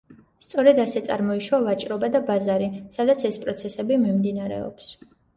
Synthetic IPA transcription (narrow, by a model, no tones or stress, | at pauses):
st̪sʼɔɾɛd̪asɛt̪sʼa̰ɾmɔiʃwavat͡ʃʼɾɔbad̪abazaɾisad̪at̪sʰɛspʼɾɔt̪sʰɛsɛbimimd̪inaɾɛ̰ɔ̰ps